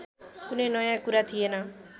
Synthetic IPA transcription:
kunenɔjãkuɾat̪ʰijena

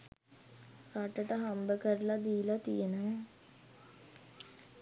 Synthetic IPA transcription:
raʈəʈəɦambəkəɾəlad̪iːlat̪ijənə

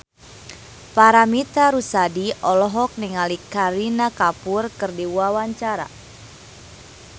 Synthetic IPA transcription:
paɾamit̪aɾusadiʔɔlɔɦɔk̚niŋalikaɾinakapurkɨrdiwawaɲt͡ʃaɾa̰

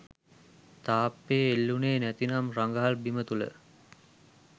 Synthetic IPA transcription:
t̪aːpːeːlːuneːnæt̪inamraŋɡəɦalbimət̪ulə̰

